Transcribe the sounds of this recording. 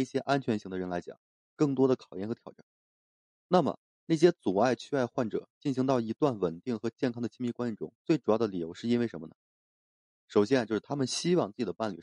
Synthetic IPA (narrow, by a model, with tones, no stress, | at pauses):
ɕjɛ˥ʔa˥nt͡ɕʰɥɛ˧˥nɕi˧˥ŋd̪ə˧ɻə˧˥nla˧˥t͡ɕjɑ̰˨˩˦ŋ | kɤ˥˩ŋt̪wɔ˥d̪ə˨kʰɑ˨˩ʊjɛ˥˩nxɤ˧˥t̪ʰjɑ˨˩ʊa˥˩n | na˥˩mə̰˩ | na˥˩ɕ̬jɛ˥t͡su˨˩a˥˧ɪt͡ɕʰy˥a˥˧ɪxwa˥˩nʈ͡ʂɤ̰˨˩˦t͡ɕi˥˩nɕi˧˥ŋt̪ɑ˥˩ʊi˧˥t̪wa˥˩nwə˨˩nt̪i˥˩ŋxɤ˧˥t͡ɕjɛ˥˩nkʰɑ˥ŋd̪ə˩t͡ɕʰi˥ŋmi˥˧kwa˥n˥˩nʈ͡ʂʊ̰˥ŋt͡swe˥˩ɪʈ͡ʂu˨˩jɑ˥˩d̪ə˩li˨˩jo˧˥ʊʂɻ̩˥˩i˥nwe˥˩ɪʂə˧˥mə˧nə˩ | ʂo˨˩ʊɕjɛ˥n˧t͡ɕjʊʂɻ̩˥˩t̪ʰa˥mə˨nɕi˥wɑ˥˧ŋt͡sɹ̩˥˩t͡ɕi˨˩d̪ə˧pa˥˩nly˨˩